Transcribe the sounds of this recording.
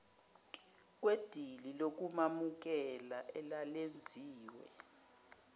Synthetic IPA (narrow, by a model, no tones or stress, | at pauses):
k̬wed̥ʱililok̬umamuk̬ɛlaʔɛlalend͡zʱiːwɛ̰